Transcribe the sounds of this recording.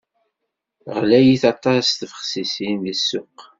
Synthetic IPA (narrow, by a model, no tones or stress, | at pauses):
ʁlæjiθɑt̪ˤɑsθəfəχsisinðəsːʊq